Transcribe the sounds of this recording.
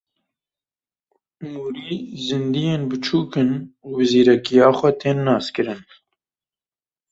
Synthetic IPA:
muːɾiːzɨnd̪ijeːnbɨt͡ʃʰuːkɨnuːbɨziːɾɛkijɑːxʷɛt̪ʰeːnːɑːskɨɾɨn

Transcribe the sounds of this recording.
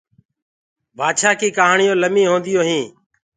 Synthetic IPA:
baːd̪ʃaːkiːkəɦaːɳɪjõːləmĩːɦõːnd̪ɪjoːɦĩː

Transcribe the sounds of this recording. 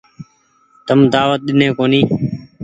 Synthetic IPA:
t̪əmd̪aːʋət̪̚ɗɪnẽːkoːniː

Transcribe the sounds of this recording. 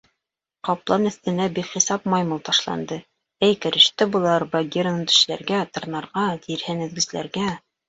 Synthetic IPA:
qɑplˠɑnɘ̆θt̪ɘ̆næbikχisɑp̚mɑjmulˠt̪ɑʃlˠɑ̰nd̪ɤ | ɘjkɘ̆ɾɘ̆ʃt̪ɘbulˠɑɾbɑɡʲeɾnɤnt̪ɵ̥̆ʃlæ̰ɾɡæt̪ɤ̆ɾnɑɾʁɑt̪iɾhɘnɘ̆ðɡɘ̆zlæ̰ɾɡæ

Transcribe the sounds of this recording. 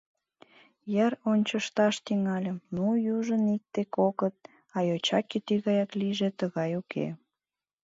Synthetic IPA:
jæronʲt͡ɕəʃt̪ɑʃt̪yŋɑlʲəmnujuʒənik̚t̪ekokət̪̚ | ɑjot͡ɕɑkʲːet̪yɣɑjɑkliʒet̪əɣɑjukʰḛ

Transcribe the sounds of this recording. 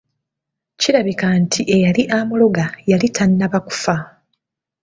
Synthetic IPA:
ciɾaβikantʰiʔe̞jaliʔamuloɡajalitʰanːaβaku̥fa

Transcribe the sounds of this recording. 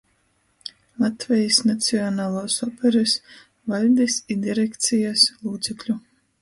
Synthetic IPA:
lˠat̪vʲɛjisnat̪sʲiɔnaːlˠuːsɔpʰʲɛɾɨs | valʲd̪isid̪iɾɛkt̪sʲijaslˠuːt̪sɛklʲu

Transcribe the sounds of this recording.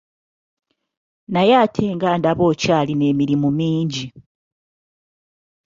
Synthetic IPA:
najaːtʰeːŋɡaːndaβo̞ːcaːline̞ːmiɾimumiːɲɟi

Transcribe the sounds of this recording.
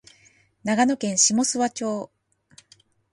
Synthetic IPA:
naɡano̞kẽ̞ɰ̃ɕimo̞sɨβat͡ɕo̞ː

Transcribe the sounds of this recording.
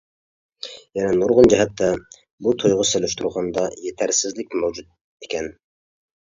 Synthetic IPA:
jɛnɛnoɾʁʊnd͡ʒɛɦɛt̪ʰːɛ | but̪ʰojʁʊselyʃt̪ʰuɾʁɑnd̪ɑjet̪ʰæɾsɪzlɪk̚ʲmɛwd͡ʒut̪̚ | e̥kʲʰɛn

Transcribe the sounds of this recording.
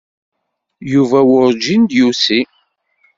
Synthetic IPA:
juvæwʊɾd͡ʒind̪jusi

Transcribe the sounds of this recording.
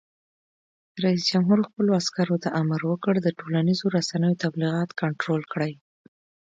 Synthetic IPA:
d̪əɾaisd͡ʒamɦuɾxpəloaskaɾot̪aʔamaɾwəkəɽd̪əʈolanizoɾasanəjot̪abliɣɑt̪kaɳʈɾolkɽaj

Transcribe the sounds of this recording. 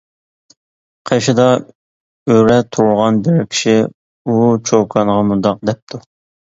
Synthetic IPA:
qʰeʃɪd̪ɑ | øɾɛt̪ʰuɾʊlˠʁɑnbɪɾkʲʰi̥ʃi | ut͡ʃʰokʰɑnʁɑmund̪ɑq̚d̪ɛp̚t̪ʰu

